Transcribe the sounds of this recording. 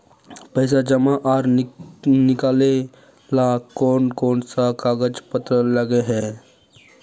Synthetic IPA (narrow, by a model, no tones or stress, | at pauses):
pəjs̬ad͡ʒəmaʔaɾ | nɪkale | lakɔːnkɔːnsakaɡəd͡ʒpət̪ɾələɡeɦɛ